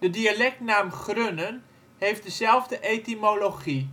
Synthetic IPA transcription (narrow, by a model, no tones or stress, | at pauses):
d̥ədialɛk̚tnaːmχrønən | ɦejfdəzɛlˠvdəʔejtimoloχi